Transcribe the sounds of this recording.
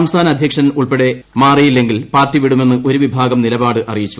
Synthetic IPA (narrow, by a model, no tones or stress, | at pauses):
ɐmst̪ʰaːnɐɐd̪ʱjɐkʂɐnuɭpeɽe̞maːrijilːe̞ŋɡilpaːrtːiʋiɽume̞nːɨʔo̞ɾuʋibʱaːɡɐmnilɐbaːɽɨʔɐrijit͡ɕːu